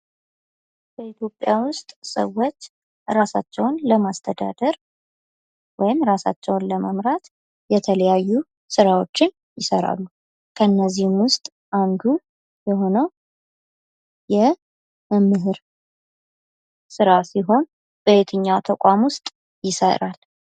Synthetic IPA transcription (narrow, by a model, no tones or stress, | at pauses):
bəit̪ʰjopʼːjawʊst̪ʼsə̰wːo̞t͡ʃː | ɾasa̰t͡ʃːɛwnləmast̪ʰəd̪a̰d̪əɾ | wɔjɪmɾasa̰t͡ʃːɛwnləməmɾat̪ | jɛt̪ʰələjajːu | sɨɾawo̞t͡ʃːɪn | jɪsəɾa̰lːu | kʰəɨnːəzihɨmwʊst̪ʼ | ʔand̪u | jɛho̞nəw | jɛ | məmːɨɦɨɾ | sɨɾasiɦo̞n | b̥əet̪ʰɨɲːat̪ʰəkʷʼamwʊst̪ʼ | jɪsə̰ɾal